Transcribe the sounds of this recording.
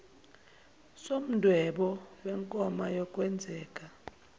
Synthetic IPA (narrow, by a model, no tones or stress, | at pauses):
som̩dʱwɛɓɔwɛŋkʼɔmajɔkʼwɛnd͡zʱɛːkʼa